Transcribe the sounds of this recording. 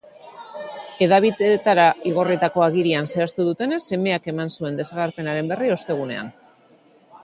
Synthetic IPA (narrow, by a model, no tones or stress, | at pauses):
e̞ðaβ̞iðet̪aɾaiɣo̞rit̪ako̞aɣiɾianse̞ast̪uð̞ut̪e̞ne̞sːe̞me̞ake̞mansue̞nd̪e̞saɣaɾpe̞naɾe̞mbe̞rio̞st̪e̞ɣ̞une̞a̰n